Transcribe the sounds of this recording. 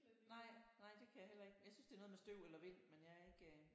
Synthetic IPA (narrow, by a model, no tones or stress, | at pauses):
nɑ̈ɪ̰nɑ̈ɪ̰d̥e̝kʰæjɑ̈hel̰ɐe̝ɡ̥jaɪsynsd̥e̝ːɐnɔðˠmesd̥øʊ̰elɐʋe̝n̰menjɑ̈æɐe̝ɡ̥ə